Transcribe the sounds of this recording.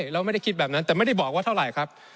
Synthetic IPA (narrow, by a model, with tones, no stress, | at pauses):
ɾɛː˦˥wma˥˩jda˥˩jkʰi˦t̪̚bɛː˨˩p̚na˦nt̪ɛː˨˩ma˥˩jda˥˩jbɔː˨˩kwa˥˩˥ɾa˨˩jkʰɾa˦˥p̚